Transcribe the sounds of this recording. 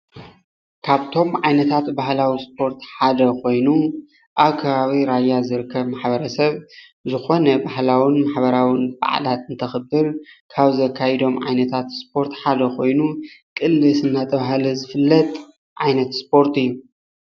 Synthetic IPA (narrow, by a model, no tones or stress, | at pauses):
kʰaβt̪ʰo̞mʕajnɐt̪ʰat̪bahlawispʰo̞ɾt̪ħad̪ɐkʰo̞jnu | ʔaβkʰɐβaβiɾajːazɨɾɨkʰːɐβmaħbɐɾɐsɐβ | zɨxo̞nɐbahlawinmaħbɐɾawɨnba̰ʕ̰lat̪ɨnt̪ʰɐxɨbːɨɾkʰaβzɐkʰːajɛd̪o̞mʕa̰jnɐt̪ʰat̪spʰo̞ɾt̪ħad̪ɐkʰo̞jnukʼɨlːɨsɨnːat̪ʰʼɐβahlɐzɨfɨlːɐt̪ | ʕajnɐt̪spʰo̞ɾt̪ɨjːu